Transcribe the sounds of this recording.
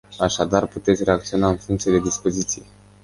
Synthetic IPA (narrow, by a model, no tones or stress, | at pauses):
aʃad̪arput̪e̞t̪sʲre̞ak̚t̪sio̞naɨnfuŋkt̪sied̪e̞d̪ispo̞zit̪sije